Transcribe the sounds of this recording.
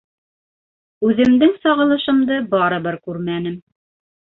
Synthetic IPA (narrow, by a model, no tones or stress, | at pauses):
ʉðɘ̆md̪ɘŋsɑʁɤ̆lˠɤ̆ʃɤ̆md̪ɤbɑɾɤ̆βɤɾkʉɾmænɘm